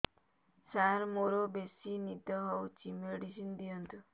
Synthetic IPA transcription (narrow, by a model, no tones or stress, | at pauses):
saɾmoɾobesinid̪ɔɦɔwt͡ʃʰimeɽisind̪ijɔnt̪u